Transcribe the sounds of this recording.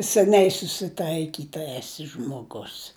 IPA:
sʲɛˈnʲɛɪ sʊsʲɪˈtɐɪkʲiːtɐ ɛˈsʲɪ ʒmoːˈɡʊs

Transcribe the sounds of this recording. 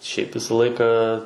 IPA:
ʃʲɛɪp ˈʋʲɪsɐ ˈlˠɐɪkɐ

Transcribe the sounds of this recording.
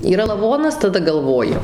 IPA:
iːˈrɐ lˠɐˈʋoːnɐs tɐˈdɐ ɡɐlˠˈʋoːjʊ

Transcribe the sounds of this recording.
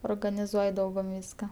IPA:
oːrɡɐnʲɪˈzuɔj ˈdɐʊɡʊm ˈʋʲiːskɐ

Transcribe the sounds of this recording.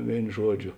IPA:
ˈʋʲeːɪn ˈʒuɔˌd͡ʒʲoː

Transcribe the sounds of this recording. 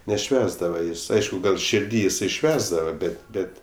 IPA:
nʲɛˈʃʲʋʲæːzdɐʋɐ ˈjɪs ˈɐɪʃkʊ ˈɡɐlˠ ʃʲɪrʲˈdʲiː jɪˈsɐɪ ˈʃʲʋʲæːzdɐʋɐ ˈbʲɛtʲ ˈbʲɛtʲ

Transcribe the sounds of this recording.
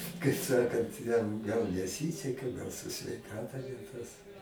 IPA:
kɐɪ ˈsɑːkɐnt jɛm ɡɐlˠ nʲɛˈsʲiːsʲɛkɐ ɡɐlˠ sʊ sʲʋʲɛɪˈkɑːtɐ nʲɛ ˈtɐs

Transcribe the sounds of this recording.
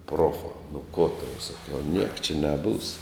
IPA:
ˈproːfɑː nʊ ˈkoː tɐʊ sɐˈkʲɛʊ nʲiɛk t͡ʃʲɛ nʲɛˈbuːs

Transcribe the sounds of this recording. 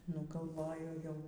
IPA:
nʊ ɡɐlˠˈʋoːjʊ jɛʊ

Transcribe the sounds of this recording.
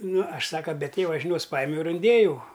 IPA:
ˈnʊ ˈɐʃ ˈsɑːkɐ bʲɛ ˈtʲeːʋɐ ʒʲɪˈnʲoːs ˈpɑːjɪmʲɛʊ ɪr ɪnʲˈdʲeːjɛʊ

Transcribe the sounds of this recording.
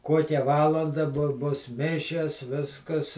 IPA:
ˈkuɔkʲɛ ˈʋɑːlˠɐndɐ bʊ bʊs ˈmʲɪʃʲɛs ˈʋʲɪskɐs

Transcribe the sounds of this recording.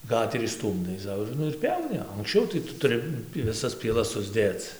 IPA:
ˈɡɑːtʲɛrʲiː ˈstuːmdɐɪ ˈsɐʊ ɪr ˈnʊ ɪr ˈpʲjɛʊnʲɪ ɐŋksʲˈt͡ʃʲɛʊ tɐɪ ˈtʊ tʊˈrʲɪ ʋʲɪˈsɐs pʲiɛˈlˠɐs sʊzʲˈdʲeːt͡s

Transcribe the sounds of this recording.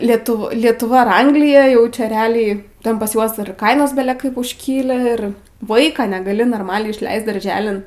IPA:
lʲiɛˈtʊ lʲiɛtʊˈʋɐ ɐr ˈɐŋɡlʲɪjɛ ˈjɛʊ t͡ʃʲɛ rʲɛˈɑːlʲɛɪ ˈtʲɛn pɐs ˈjuɔs ɪr ˈkɐɪnoːs bʲɛlʲɛ ˈkɐɪp ʊʃʲˈkʲiːlʲɪ ɪr ˈʋɐɪkɑː nʲɛɡɐˈlʲɪ noːrˈmɑːlʲɛɪ ɪʃʲˈlʲɛɪst dɐrʲˈʒʲæːlʲɪn

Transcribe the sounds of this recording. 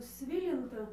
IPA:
ˈsʲʋʲɪlʲɪntɑː

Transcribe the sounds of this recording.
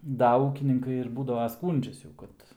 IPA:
ˈdɐ ˈuːkʲɪnʲɪŋkɐɪ ɪr ˈbuːdɐʋɐ ˈskuːnʲd͡ʒʲɛs jɛʊ ˈkɐt

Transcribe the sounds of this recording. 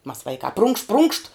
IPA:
mɐs ˈʋɐɪkɑː prʊŋkʃt prʊŋkʃt

